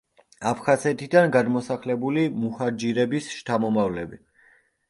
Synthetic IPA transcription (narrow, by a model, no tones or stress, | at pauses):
apʰχazɛt̪ʰid̪anɡad̪mɔsaχlɛbulimuhaɾd͡ʒiɾɛbisʃt̪ʰamɔmavlɛbi